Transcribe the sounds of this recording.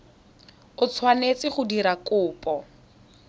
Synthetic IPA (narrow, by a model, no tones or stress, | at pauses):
ʊt͡sʰwanet͡sɪχʊdiɾakʊːpʼɔ